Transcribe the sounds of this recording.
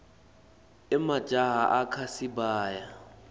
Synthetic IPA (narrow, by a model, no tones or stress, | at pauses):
ɛmḁʒ̥ʱʼaɦaʔakʰasibaːja